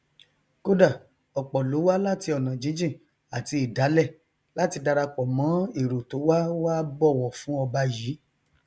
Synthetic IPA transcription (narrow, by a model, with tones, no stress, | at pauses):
ko˦da˦˨ | ɔ˨k͡pɔ˨lo˨˦wa˦la˦ti˧ɔ˨nã˨d͡ʒĩ˨˦d͡ʒĩ˦˨ | a˨ti˧i˨da˨˦lɛ˦˨ | la˦ti˧da˧ɾa˧k͡pɔ˨mã˨˦i˨ɾo˨to˨˦wa˦wa˦bɔ˦˨wɔ˨fũ˨˦ɔ˧ba˧jiː˨˦